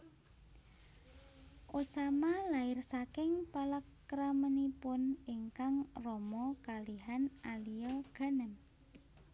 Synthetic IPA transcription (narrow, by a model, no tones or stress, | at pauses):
ʔosamalaɪrsakɪŋpaləkːɾamənipʊniŋkaŋrɔmɔkaliɦanʔalijɔɡ̥a̤nəm